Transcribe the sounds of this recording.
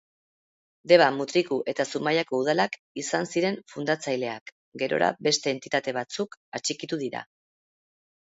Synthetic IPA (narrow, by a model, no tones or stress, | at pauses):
d̪e̞βamut̪ɾikuʔe̞t̪asumajako̞uð̞alak | isansiɾe̞ɱfund̪at͡sajle̞ak | ɡe̞ɾo̞̰ɾa̰be̞st̪e̞ːnt̪it̪at̪e̞β̞at͡sukat͡ʃikit̪uðiɾa̰